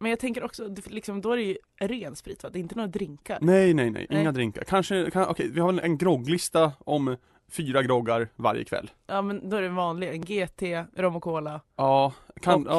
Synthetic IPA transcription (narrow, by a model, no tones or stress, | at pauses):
mɛnjɑɡt̪ʰɛŋkəɾɔksɔd̪lɪksɔmd̪ɔæɾɛjɵ | ɾeːnspɾiːt̪vad̪ɛːɪnt̪ənuːɾad̪ɾɪŋka̰ɾnɛjnɛjnɛ̰jʔʔɪŋːad̪ɾɪŋka̰ɾkʰanʂəkʰanʔɔ̰kʰɛjvɪhaɾvɛlʔɛnɡɾɔɡlɪst̪aɔm | fyːɾaɡɾɔɡaɾva̰ɾjə̰kʰvɛ̰lː | ʔɑːmɛnd̪oːæɖɛvɑːnlɪɡɛnɡeːt̪ʰeːɾɔmʊkʰoːlaɑːkʰa